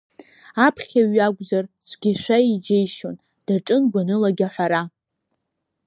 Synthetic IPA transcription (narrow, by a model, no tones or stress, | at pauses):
apʰχʲaɥaɡʷʼzart͡sʷʰɡʲɪʃʷaid͡ʒejʃon | d̥aʈ͡ʂʼɨnɡʷanɨlaɡʲaħʷaɾa